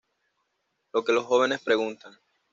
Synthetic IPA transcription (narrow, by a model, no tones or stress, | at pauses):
lo̞ke̞lo̞sxo̞βe̞ne̞spɾe̞ɣunt̪aŋ